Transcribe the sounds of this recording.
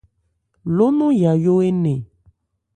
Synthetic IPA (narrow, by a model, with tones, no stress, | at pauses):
lo˦nũ˦ja˨jo˦e˦nẽ˨